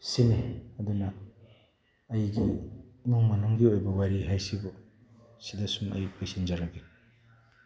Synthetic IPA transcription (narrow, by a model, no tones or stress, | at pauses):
sineɐdunɐ | jɡinuŋmɐnuŋɡiojbɐwaɾiɦajsibu | sidasumɐ̰jpesind͡ʒaɾaɡi